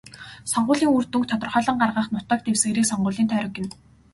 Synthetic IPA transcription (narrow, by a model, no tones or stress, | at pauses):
sɔɴɢʊːɮiːŋurt̪uŋk̚t̪ʰɔt̪ə̆rχœːɮɞ̆ɴɢarʁə̆ːχnʊt̪əːk̚t̪ewsɡeːɾiːksɔɴɢʊːɮiːnt̪ʰœːɾɞ̆kɪ̆n